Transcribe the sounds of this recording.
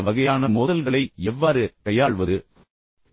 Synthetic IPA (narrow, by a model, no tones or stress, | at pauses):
ʋɐɣɐjaːnɐmoːðɐlɣɐɭɐɪɛʋːaːɾɯkɐjaːɭʋɐðɯ